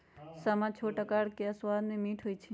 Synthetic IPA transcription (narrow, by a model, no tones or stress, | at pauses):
səmãt͡ʃʰoʈəkaɽkeaswaːd̪nemiːʈʰɦoːjt͡ʃʰe